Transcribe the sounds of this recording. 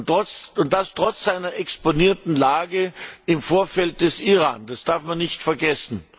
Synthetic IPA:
tʁɔt͡sʊnt̚d̥astʁ̥ɔt͡sz̥aɪnɐʔɛksponiːɐtn̩laːɡəɪmfoːɐfɛlt̚d̥ɛsiʁaːnd̥asd̥aɐfmanːɪçtfɛɐɡɛsn̩

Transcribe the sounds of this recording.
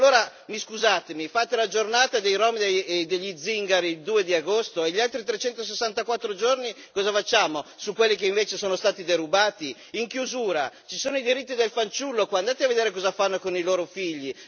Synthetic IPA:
lːoːɾa | miskuzaːt̪emifaːt̪elad͡ʒornaːt̪ad̪ejɾɔmid̪ed̪eʎːid̪ziŋɡaɾiild̪uːed̪iaɡost̪oeʎialt̪ɾit̪ɾet͡ʃɛnt̪os̬esːant̪akwat̪ːɾod͡ʒorni | kɔːzafat͡ʃːaːmosukːwelːik̬eiɱveːt͡ʃesoːnost̪aːt̪id̪eɾubaːt̪i | iŋkjuzuːɾat͡ʃisoːnoid̪iɾit̪ːid̪elfant͡ʃulːokwand̪aːt̪eaved̪eːɾekɔːzafanːokoniloːɾofiʎːi

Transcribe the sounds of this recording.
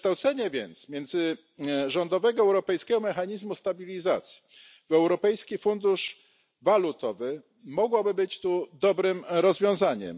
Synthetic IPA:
t̪awt̪sɛɲɛvʲjɛ̰nt̪smʲjɛnd̪zɘ | ʐɔnd̪ɔvɛɡɔɛwɾɔpɛjskʲɛɡɔmɛxaɲizmust̪abʲilʲizat̪sʲji̥ | vɛwɾɔpɛjskʲifund̪uʂ | valut̪ɔvɘ | mɔɡwɔbɘbɘt͡ɕt̪ud̪ɔbɾɘmɾɔzvʲjɔ̃w̃zaɲɛ̰m

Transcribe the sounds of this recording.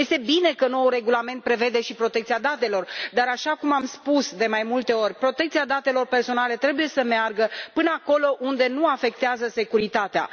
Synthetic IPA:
je̞st̪e̞bine̞kəno̞wure̞ɡulame̞nt̪̚pɾe̞ve̞d̪e̞ʃipɾo̞t̪ekt̪siad̪at̪e̞lo̞rd̪aɾaʃakumamspusd̪e̞majmult̪e̞o̞rʲpɾo̞t̪e̞k̚t̪siad̪at̪e̞lo̞rpe̞rso̞nale̞t̪ɾe̞buje̞səmearɡəpɨnəako̞lo̞ʔund̪e̞nuafe̞k̚t̪eazəse̞kuɾit̪at̪ea̰

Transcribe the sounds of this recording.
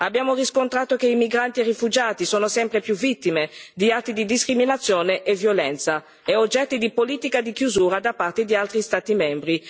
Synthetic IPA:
abːjaːmoriskont̪ɾaːt̪ok̟eimiɡɾant̪ierifud͡ʒaːt̪isoːnosɛmpɾepjuvit̪ːimed̪iat̪ːid̪id̪iskɾiminat̪sːjɔːneʔevjolɛnt̪sa | ɛod͡ʒːɛt̪ːid̪ipoliːt̪ikad̪ikjuzuːɾad̪apːart̪ed̪ialt̪ɾist̪aːt̪imɛmbɾi

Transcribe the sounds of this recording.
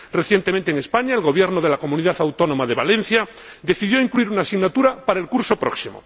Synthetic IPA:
re̞θje̞nt̪emẽnt̪eːŋespaɲaelɣ̞o̞β̞je̞ɾnoðe̞lako̞mũniðaθawt̪o̞no̞maðe̞βalẽ̞n̟θja | d̪e̞θiðjo̞iŋkluiɾunaːsiɣnat̪uɾapaɾaelkuɾso̞pɾoksimo̰

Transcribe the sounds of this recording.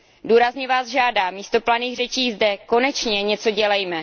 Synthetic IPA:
duːɾazɲɛvaːzʒaːdaːmiːst̪o̞planiːxɣr̝ɛt͡ʃiːzdɛko̞nɛt͡ʃɲɛɲɛt͡so̞ɟɛlɛjmɛ

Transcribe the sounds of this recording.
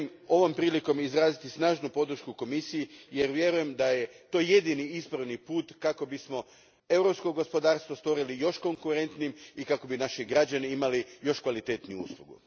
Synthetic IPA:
mo̞ʋo̞mpɾiːliko̞mizɾaːzit̪isnaːʒnupo̞d̪ɾ̩ʃkuko̞misijijeɾʋje̞ɾuje̞md̪aje̞t̪o̞ːje̞d̪iniispɾaʋnipuːt̪kako̞bismo̞ | e̞wɾo̞pskoɡo̞spo̞d̪aːɾst̪ʋost̪ʋo̞ɾilijo̞ʃko̞ŋkuɾe̞nt̪niimikako̞binaʃiɡɾad͡ʑaniimalijo̞ʃkʋalit̪et̪niuṵːslˠuɡṵ

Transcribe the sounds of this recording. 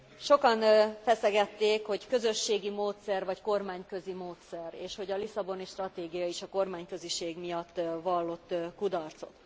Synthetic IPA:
ʃo̞kɒnfɛsɛɡɛt̪ːeːkho̞ckø̞zø̞ʃːeːɡimoːt̪sɛrvɒcko̞rmaːɲkø̞zimoːt̪sɛreːʃho̞ɟɒlisɒbo̞niʃt̪rɒt̪eːɡijɒiʃɒko̞rmaːɲkø̞ziʃeːɡmijɒt̪ːvɒlːo̞t̪ːkud̪ɒrt̪so̞̰t̪

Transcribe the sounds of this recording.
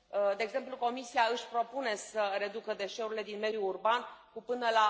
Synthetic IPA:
d̪eːɡze̞mpluko̞misiaɨʃʲpɾo̞pune̞səɾe̞d̪ukəd̪e̞ʃe̞uɾile̞d̪inme̞d̪juːrbankupɨnəla

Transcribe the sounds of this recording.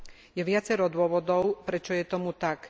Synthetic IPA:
jɛʋɪat͡sɛɾɔd̪ʊɔʋɔd̪ɔʊpɾɛt͡ʃɔjɛt̪ɔmut̪ak

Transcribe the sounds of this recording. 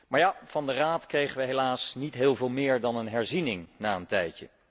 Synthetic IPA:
maːɹjav̥ɑndəraːtkrejχəʋəɦelaːsnitɦɪːlˠvɪːlˠmɪːɹdɑnənɦɛɹzinɪŋnaːəntɛjcə̰

